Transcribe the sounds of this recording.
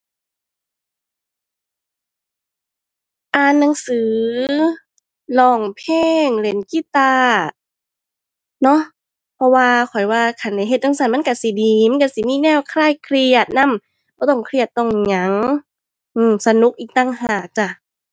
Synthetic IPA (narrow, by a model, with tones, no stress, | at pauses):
ʔaː˨˧nːa˧˦ŋsɯː˨˦ | lɔː˧˩ŋpʰeː˧˥˩ŋle˨˦nki˧˨t̪aː˧ | nɔ˦˥ʔ | pʰɔ˧waː˧kʰɔ˨˩jwaː˧kʰa˧˩nda˧˩jɦe˧t̪̚na˧ŋsa˧˩nma˧˥˨nka˧˩si˨˦diː˨˦ma˧˥˨ka˧˩si˨˦niː˧˨nɛː˧˥˩wkʰlaː˧˩˨jkʰɾi˧˩ət̪̚na˧˥˨m | bɔː˧˦t̪ɔ˧˩ŋkʰɾi˧˩ət̪ːɔ˧˩ŋɲa˨˦ŋ | ʔɯː˧˩msa˧nu˧˦˥k̚ʔiː˧˩k̚t̪aː˧˩˨ŋɦaː˨˧˩k̚t͡ɕa˧˩